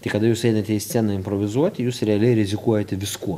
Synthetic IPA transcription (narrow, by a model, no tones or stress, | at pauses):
t̪ʲɐɪkɐd̪ɐjuːsɛɪnɐt̪ʲɛiːsʲt͡s̪ʲɛnɐɪmpɾoʋʲɪzuɔt̪ʲɪjuːsɾʲɛɐlʲɛɪɾʲɪzʲɪkuɔjɛt̪ʲɛʋʲɪskuɔ